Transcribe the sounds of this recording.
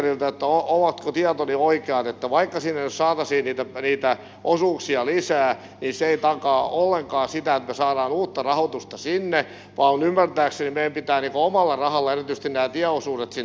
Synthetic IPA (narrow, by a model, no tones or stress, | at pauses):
rilt̪æet̪ːæooʋɑt̪kot̪iɑt̪onioikeɑt̪et̪ːæʋɑikːɑsinːenyssɑːt̪ɑsiːnniːt̪æniːt̪æ | ʔosuːksiɑlisæː | niseeit̪ɑkɑːolːeŋkɑːsit̪æet̪mesɑːɾɑːnuːt̪ːɑrɑhot̪ust̪ɑsinːe | ʋɑːunymːært̪æːksenimeiæmpit̪æːniːŋkoomɑlːɑrɑhɑlːeerit̪yst̪innæːt̪iæosuːdet̪si